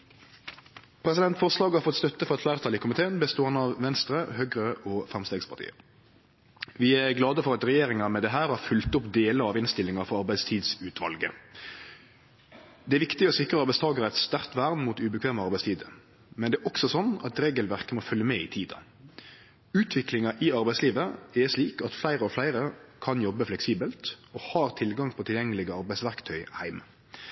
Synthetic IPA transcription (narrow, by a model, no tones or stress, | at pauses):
pʰɾɛsɪd̪ɛnt̪fɔʁslɑːɡhɑɾfɔt̪st̪œt̪ːəfɔɾɛt̪ʰlæːʁt̪ʰɑlɪkʰʊmɪt̪ʰeːənbəst̪oːhɑnɑʋʋɛnst̪ɾəhøːɡɾəʔɔfʁɑmst̪eːɡspʰɑʁt̪ḭːə̰ | ʋɪːæɾɡlɑːd̪əfɔɾɑt̪ɾɛjeːɾɪŋɑmɛd̪ɛɦæːɾhɑfʉlt̪ʊpd̪eːləɑʋɪnst̪ɪlɪŋɑfɔɾɑʁbæɪst̪ʰiːd̪sʉːt̪ʰʋɑ̰lɡə | d̪ɛæɾʋɪkt̪ɪɔsɪkɾəɑɾbæɪst̪ʰɑːɡəɾəɛt̪st̪æɾt̪ʋæːʁnmuːt̪ʉbəkʰʋeːməɑɾbæɪst̪ʰiːd̪ə | mɛnd̪ɛːʔɔksɔsɔnːɑt̪ɾeːɡəlʋæɾkəmɔfœlːjəmɛɪt̪ʰiːd̪ɑ̰ | ʉːt̪ʰʋɪklɪŋɑʔɪɑɾbæɪsliːʋəɛʂliːkɑt̪flæɪɾəɔflæɪɾəkʰɑnjɔbːəflɛksiːbəlt̪ɔhɑːɾt̪ʰɪlɡɑŋpʰɔt̪ʰɪljɛŋːəlɪɡəɑɾbæɪsʋæʁkt̪ʰœʏhæɪmə